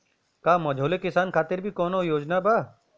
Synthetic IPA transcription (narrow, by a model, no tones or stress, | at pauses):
kaːmɔd͡ʒʱoːlekɪsaːnkʰaːt̪ɪɾbʱiːkɔːnojoːd͡ʒnabaː